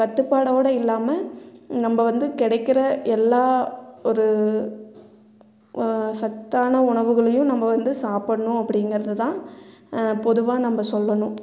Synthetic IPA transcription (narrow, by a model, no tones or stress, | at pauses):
kɐʈːɯpːaːɽoːɽɐɪlːaːmɐnɐmbɐʋɐnd̪ɯkɪɽɐɪkːɪɾɐʔɛlːaːɔɾɯ | sɐk̚t̪aːnɐʊɳɐʋɯɣɐɭɐjʊ̃nɐmːɐʋɐnd̪ɯsaːpɐɳːʊ̃ɐpːɐɽɪŋɡɐɾɐðɯt̪ãː | pɔðɯʋaːnɐmːɐsɔlːɐɳʊ̃